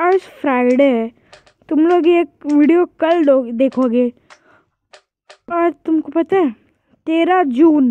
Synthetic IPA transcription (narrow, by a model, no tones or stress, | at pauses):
ɐɾsfʰɾaːɪɖe | t̪ʊmloːɡeːk̚ʋiɖijokɐlɖod̪eːkʰoːɡeː | ɔːɾt̪ʊmkopɐt̪aɛ | t̪eːɾad͡ʒuːn